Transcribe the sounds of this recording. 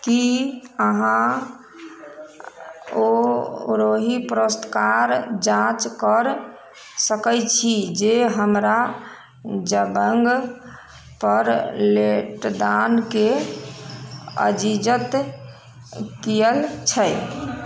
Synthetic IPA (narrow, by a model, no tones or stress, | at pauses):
kiəɦã | oɾoɦipɾost̪kaɾd͡ʒãt͡ʃkəɾ | səkəjt͡ʃʰid͡ʒeɦəmɾa | d͡ʒəbəŋɡ | pəɾleʈd̪anke | ə̰d͡ʒid͡ʒət̪ | kijəlt͡ʃʰəj